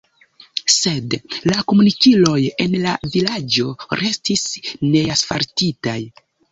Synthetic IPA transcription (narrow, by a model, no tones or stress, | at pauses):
se̞dlako̞munikilo̞je̞nlavilad͡ʒo̞ɾʔe̞stisne̞asfaɾtitaj